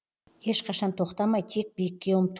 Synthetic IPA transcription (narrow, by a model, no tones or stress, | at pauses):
he̞ʃqʰɑʃɑnt̪ʰo̞qt̪ɑmɑjt̪ʰe̞k̚bijɪkʲːe̞wəmt̪ʰ